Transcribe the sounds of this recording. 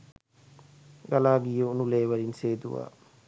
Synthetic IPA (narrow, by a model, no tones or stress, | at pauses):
ɡalaːɡijəunuleːʋɐɾinseːd̪uʋa̰ː